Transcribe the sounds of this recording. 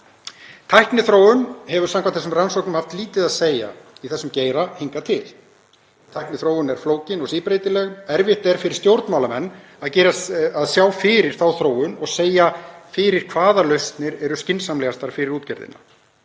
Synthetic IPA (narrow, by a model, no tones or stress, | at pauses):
t̪ʰajhknɪθɾoːwʏnɦɛvʏ̥ɾsaŋkat̪θɛsːʏmransɔwknʏmhaft̪liːt̪ɪðaðseːja̰iθɛsːʏmceːjɾahiŋkat̪ʰɪl | t̪ʰajhknɪθɾoːwʏnɛɾ̥floːwcɪnɔɣsiːpɾeːjt̪ɪlɛɣnɛɾvɪht̪ɛɾ̥fɪɾɪɾ̥st̪jowɾt̪nmawlamɛnː | aðcɛːɾaaðsjawfɪɾɪɾ̥θawθɾoːwʏnɔɣseːjafɪɾɪɾ̥kʰvaːðalœɥst̪nɪɾɛɾʏscɪnsamlɛɣast̪aɾ̥fɪɾɪɾuːt̪cɛɾðɪ̰nːa̰